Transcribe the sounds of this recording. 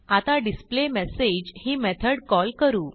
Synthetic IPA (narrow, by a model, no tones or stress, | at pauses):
at̪aɖisplemɛsed͡ʑhiːmɛt̪ʰəɽkɔlkəɾuː